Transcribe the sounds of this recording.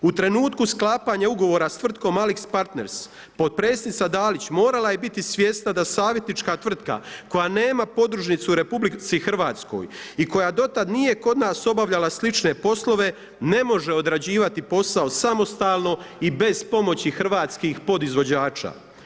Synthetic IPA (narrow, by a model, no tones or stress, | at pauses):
ut̪ɾe̞nuːt̪kusklˠaːpaɲauɡo̞ʋo̞ːɾast̪ʋr̩t̪̚ko̞malikspaɾt̪ne̞ɾs | po̞t̪̚pɾeːst̪nit̪sad̪aːlit͡ɕmo̞ːɾalaje̞bit̪isʋʲje̞st̪nad̪asaːʋje̞t̪nit͡ʃkat̪vr̩t̪ka̰ko̞jane̞ːmapo̞d̪ɾuʒnit̪suɾe̞publit̪sixrʋaːt̪sko̞̰jiko̞jad̪o̞t̪ad̪nije̞ko̞d̪naːso̞baʋʎalaslit͡ʃne̞po̞slo̞ʋe̞ | ne̞mo̞ʒe̞o̞d̪ɾad͡ʑiːʋat̪ipo̞saosamo̞st̪aːlˠno̞ibe̞zpo̞mo̞t͡ɕixr̩ʋaːt̪skixpo̞d̪izʋo̞d͡ʑaːt͡ʃa̰